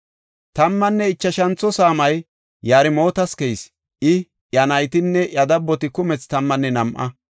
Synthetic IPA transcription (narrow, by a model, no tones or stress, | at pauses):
t̪ɐmːɐnːɛɪt͡ʃːɐʃɐnt͡sːɔsaːmɐj | jːaːɾɪmo̞ːt̪ɐskɛjs | ʔɪ | ʔjɐnɐjt̪ɪnːɛʔɐd̪ɐbːɔt̪ɪkʊmɛt͡st̪ɐmːɐnːɛnɐmʔɐ̰